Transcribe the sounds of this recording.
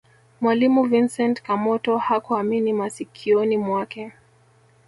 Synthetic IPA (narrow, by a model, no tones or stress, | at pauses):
mwalimuvinsɛntkamɔtɔhakuaminimasikʰiɔnimwakɛ